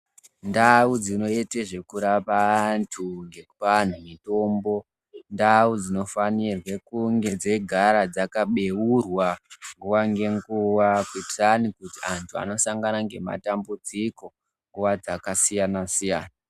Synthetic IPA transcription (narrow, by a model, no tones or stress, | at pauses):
ndaud͡zino̞eteʐe̞kuɾapantʰuŋɡe̞kupan̤umito̞ːmbo̞ | ndaud͡zino̞fanirwekuŋɡe̞d͡ze̞ɡʱaɾad͡zakaɓe̞wurwaŋɡuwaŋɡe̞ŋɡuwakwetanikutiantʰua̰no̞saŋɡanaŋɡe̞ma̰tambud͡ziko̞ | ŋɡuwad͡zakasijanasijaːna